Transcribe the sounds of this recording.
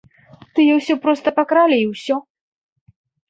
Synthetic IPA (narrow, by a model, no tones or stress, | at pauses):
t̪ɨjɛwsʲɔpɾɔst̪ɐpakɾalʲiiwsʲɔ